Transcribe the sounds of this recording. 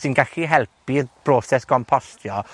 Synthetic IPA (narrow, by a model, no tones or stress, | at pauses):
sɪnɡaɬiɦɛlˠpiðb̥roːsɛskɔmpʰɔstʰjɔ